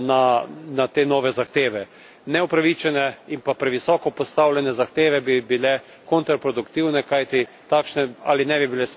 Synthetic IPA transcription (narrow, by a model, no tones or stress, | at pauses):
nanat̪eːnɔːʋɛzaxt̪eːʋɛ | nɛɔpɾaʋit͡ʃɛnɛimpapɾɛʋisɔːkɔpɔst̪awlʲɛnɛzaxt̪eːʋɛbibilɛ | kɔnt̪ɾapɾod̪ʊkt̪iwnɛkajt̪i | t̪aːkʃnɛa̰ːlinɛbibilɛs